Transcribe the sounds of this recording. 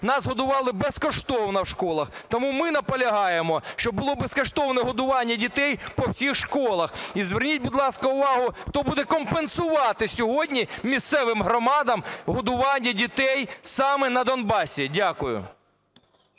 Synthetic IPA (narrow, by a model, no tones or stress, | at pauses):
nɑzɦɔd̪ʊʋɑlˠɪbeskɔʃt̪ɔwnɐwʃkɔlˠɐxt̪ɔmumɪnɐpɔlʲɐɦɑjemɔʃt͡ʃɔbʊlˠɔbeskɔʃt̪ɔwnɛɦɔd̪ʊʋɑnʲːɐdʲit̪ɛjpɔwsʲixʃkɔlˠɐxizʋernʲit̚ʲbʊd̪lˠɑskɐʊʋɑɦʊxt̪ɔbud̪ɛkɔmpensʊʋɑt̪ɪsʲɔɦɔdʲnʲimʲist̪sɛʋɪmɦɾɔmɑd̪ɐmɦɔd̪ʊʋɑnʲːɐdʲit̪ɛjsɑmɛnɐd̪ɔnbɑsʲidʲakʊjʊ̰